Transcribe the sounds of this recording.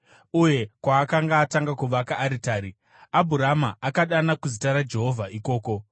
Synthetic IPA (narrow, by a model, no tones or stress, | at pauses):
uje̞kwaːkaŋɡaːtaŋɡakuʋakaʔːɾitaːɾi | abʱuɾamaakaɗanakuzitaɾad͡ʒe̞ɦo̞vʱaʔiko̞ːko̞